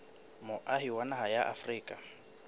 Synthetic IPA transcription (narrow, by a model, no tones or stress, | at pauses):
mʊʔaɦiwanaɦajaʔa̰friːkʼa